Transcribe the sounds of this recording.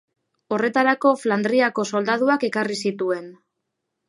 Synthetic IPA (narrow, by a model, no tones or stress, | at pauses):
o̞re̞t̪aɾako̞fland̪ɾiako̞so̞ld̪að̞uake̞karisit̪ue̞n